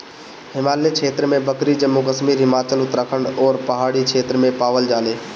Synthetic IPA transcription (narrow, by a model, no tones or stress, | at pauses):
hɪmaːlekʰeːt̪ɾəmẽbɐkɾid͡ʒɐmːukəsmiːɾɦɪmaːt͡ʃəlʊt̪ɾəkʰəɳɖɔːɾpɐɦaːɽikʰeːt̪ɾəmẽpaːʋəld͡ʒaːleː